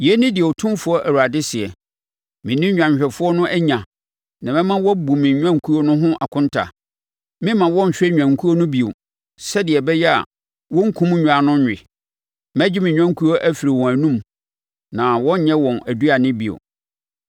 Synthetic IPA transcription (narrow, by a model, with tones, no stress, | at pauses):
jɛ˦nɪ̃˦dɪ˨ɛ˨ɔ˨tʰʊ̃˦fʊ˦ɔ˦ʔæ˨wu˨a˨dɪ˦sɪ˨ɛ˨ | mɪ̃˨nĩ˦ɲᶣã˨ɲ˨ɕᶣɛ˨fʊ˦ɔ˦nʊ̃˦ʔæ˦ɲã˨ | nã˨mɛ̃˦mã˦wɔ˦bu˨mɪ̃˨ɲᶣ˦ã˦ŋ˨˦kʰu˦ɾo˦nʊ̃˦ɦʊ̃˦ʔa˨kʰʊ̃˦ntʰa̰˨ | mɪ̃˦mã˨wɔ̃˦ɲ̩˨ɕᶣɛ˦ɲᶣ˨ã˨ŋ˨kʰu˦o˦nʊ̃˦bi˨o˨ | sɛ˦dɪ˨ɛ˨bɛ˦jɛ˦a̰˨ | wɔ̃˦ŋ̩˦kʰũ˦m˦ɲᶣu˨a˨nʊ̃˦ɲᶣ˨ɪ˨ | mæ˦d͡ʑɪ˦mɪ̃˨ɲᶣ˦ã˦ŋ˦kʰu˦o˦ʔæ˦fi˨ɾi˨wɔ̃˨æ˨nũ˦m | nã˨wɔ̃˦ɲ˦ɲɛ̃˦wɔ̃˨næ˨du˦a˨nɪ̃˦bi˨o̰˨